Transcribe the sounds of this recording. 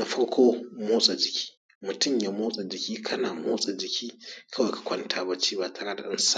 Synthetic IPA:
na˨ɸɐ˦ɽkʷʰoː˦moː˦sʼa˨d͡ʒɪ˨kʲʰi̥ː˦ | mʊ˨tʊ˦˨mja˨moː˦sʼa˨d͡ʒɪ˨kʲiː˦kʰɐ˦naː˨moː˦sʼa˨d͡ʒɪ˨kʲiː˦kʰɐ˦wa˨jkḁ˨kʷɐ˦ntʰaː˦ba˦t͡ʃiː˦ba˨tʰa˨ɽɐ˦da̰˨ʔɪ̰˦nsa˦

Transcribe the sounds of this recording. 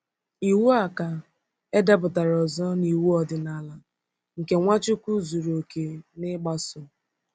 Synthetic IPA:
i˨wu˦a˨ka˨ | e˦da˦bʊ˨ta˨ɾɔ˨zɔ˦ni˨wu˦ɔ˨dɪ˨na˨la˨ | ŋ̩˨ke˨ŋʷa˦t͡ʃʊ˦kʷu˦zu˨ɾo˨ke˨nɪ˦ɡ͡ba˦sʊ˨

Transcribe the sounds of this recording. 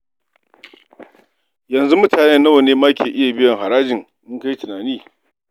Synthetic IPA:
jɐ˨nzu˦mʊ˦taː˨nɛ˦nːɐ˦wɐ˨neː˦maː˦kʲeː˨ʔɪ˦ja˨bɪ˦jɐ˨ŋɦa˨ɾaː˦d͡ʒɪ˨ŋ | ʔʊ˦ŋka˦ji˦tʊ˨naː˨niː˦

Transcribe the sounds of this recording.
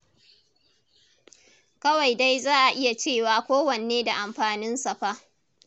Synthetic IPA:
kɐ˦wa˨jda˦jzaː˦˨ʔa˨ʔɪ˦ja˨t͡ʃeː˦˨waː˨kʷoː˦wɐ˨n˨eː˦da˨ʔa˨mɸaː˨nɪ˦nsɐ˨ɸa˦

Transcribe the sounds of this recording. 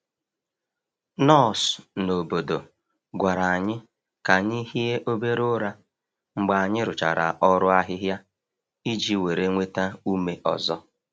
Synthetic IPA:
nɔ˦˨sno˨bo˨do˨ | ɡʷa˨ɾa˨a˨ɲɪ˦ | ka˨ɲi˦ɦi˦e˦ʔo˦be˦ɾo˦ɾa˦ | ŋ͡m̩˦ɡ͡ba˨a˨ɲɪ˦ɾʊ˨t͡ʃa̰˨ɾa̰˨ʔɔ˦ɾʊ˦a˦ɦɪ˦ɦja˦ | i˦d͡ʒi˦we˨ɾe˦ŋʷe˦ta˦u˦me˦ʔɔ̰˨zɔ˦

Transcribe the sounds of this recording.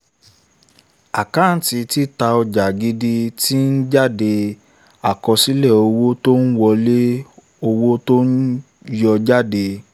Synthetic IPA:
a˨ka˨˦˨n̩˨˦ti˧ti˦ta˧ɔ˧d͡ʒa˨ɡi˧di˧ti˦n̩˦d͡ʒa˦de˧ | a˨kɔ˧si˦lɛ˦˨o˧wo˦to˦n̩˦wɔ˧le˦ | o˧wo˦to˦n̩˦ | jɔ˧d͡ʒa˦de˧

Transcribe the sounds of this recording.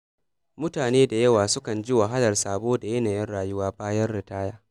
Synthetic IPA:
mʊ˦taː˨neː˦da˨jɐ˦waː˨sʊ˦kɐ˨nd͡ʒi˦wa˨ɦa˦lɐ˨rsaː˨boː˦da˨jɛ˦naː˨jɛ˦nɽaː˨jʊ˦waː˦baː˦jɐ˦rɽɪ˨taː˦jaː˦

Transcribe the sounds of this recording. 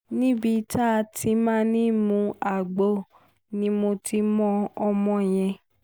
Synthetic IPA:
nĩ˦bi˧ta˦˧ti˧mãː˦nĩ˦mũ˧˦a˨ɡ͡bo˦˨ | nĩ˧˦mo˧ti˧mɔ̃˧ɔ˧mɔ̃˧j̃ɛ̃˧

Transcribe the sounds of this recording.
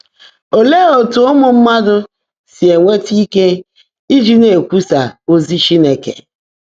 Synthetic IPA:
o˨le˦o˨tʊ˨ʊ˦mʊ˨m̩˦ma˦dʊ˦ | si˨e˨ŋʷe˦ti˦ke˦ | i˦d͡ʒi˦ne˨kʷu˦sa˨o˦zi˦ʃi˦ne˨kḛ˨

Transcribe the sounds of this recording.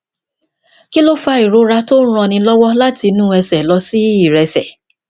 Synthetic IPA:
ki˦lo˦fa˧i˨ɾo˨˦ɾa˧to˦ɾ̃ɔ̃˧nĩ˧lɔ˦wɔ˦la˦ti˧nũ˦ɛ˧sɛ˨lɔ˧si˦i˨ɾɛ˧sɛ˨

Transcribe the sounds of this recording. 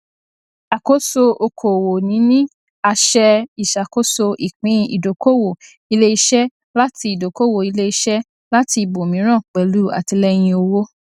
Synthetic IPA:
a˨ko˦so˧ʔo˧kʰo˨wo˨nĩ˨˦nĩ˦ | a˧ʃɛ˧i˨ʃa˨ko˦so˧ʔi˨k͡pĩ˨˦ḭ˨do˨ko˦wo˨ | i˧le˦i˧˦ʃɛ˦ | la˦ti˧i˨do˨ko˦wo˨i˧le˦i˧ʃɛ˦ | la˦ti˧bo˨mĩ˨˦ɾ̃ã˦˨k͡pɛ˨˦lu˦a̰˨ti˧lɛ˦j̃ĩ˧o˧wo˦

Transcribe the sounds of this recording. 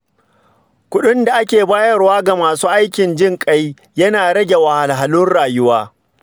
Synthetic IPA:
kʷʊ˦ɗʊ˦nda˨ʔa˦kʲeː˨baː˦jɐ˦rwaː˦ɡa˨maː˨suː˦ʔa˦jkʲɪ˨nd͡ʒɪ˦ŋkʼa˦j | jɐ˦naː˨ɽɐ˦ɡʲe˨wa˨ha˨lɦa˨lʊ˦nɽaː˨jʊ˦waː˦

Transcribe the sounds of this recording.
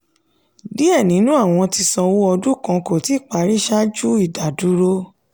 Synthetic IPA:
di˦ɛ˦˨nĩ˨˦nũ˦a˦˨w̃ɔ̃˧ti˧sɔ̃˧wo˦ɔ˧du˦kã˧ko˨ti˨˦˨k͡pa˨˦ɾi˦ʃa˦d͡ʒu˦i˦˨da˨du˨˦ɾo˦

